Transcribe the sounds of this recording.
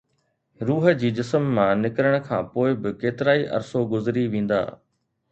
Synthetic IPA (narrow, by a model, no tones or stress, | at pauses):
ɾuːɦə̆d͡ʑiːd͡ʑɪsəmːãnɪkɪɾəɽ̃̆kʰã̰ːpoːɪbɪkeːt̪ɪɾaːiʔɐ̰ɾsoɡʊzɪɾiʋẽːn̆d̪a̰ː